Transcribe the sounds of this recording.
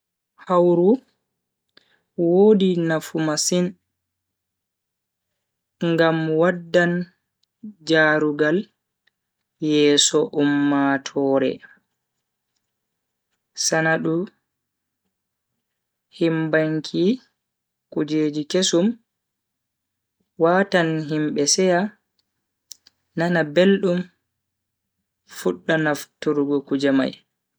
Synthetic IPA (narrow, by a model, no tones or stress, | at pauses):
hawɾu | woːdinafumasin | ŋɡamwadːan | d͡ʒaːɾuɡal | jɛːsɔʔumːatʰɔːɾɛ̰ | sanaɗu | himbaŋkʰi | kud͡ʒeːd͡ʒikesum | waːtanɦimɓɛsɛja | nanabelɗum | fuɗːanaftuɾɡɔkud͡ʒama̰j